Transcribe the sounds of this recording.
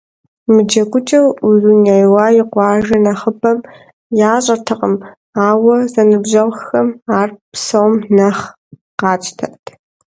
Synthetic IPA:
mɨd͡ʒɐkʷʊt͡ʃʼɐwuzunajwɑːjɪqʷɑːʒɐnɐχəbɐm | jaːɕʼɐtʰɨqʼəm | aːwɐzɐnɨbʑɐʁxxɐmaːrpsɐwmnɐχ | qɑːt͡ʃʼtʰɐʔtʰ

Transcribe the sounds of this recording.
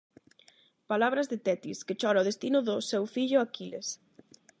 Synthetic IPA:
palaβ̞ɾɐzðɪt̪ɛt̪isket͡ʃɔɾaʊð̞est̪inʊðʊsewfiʎʊakiles

